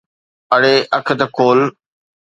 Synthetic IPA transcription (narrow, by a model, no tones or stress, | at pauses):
ɐɽeːʔɐkʰt̪ɐkʰoːl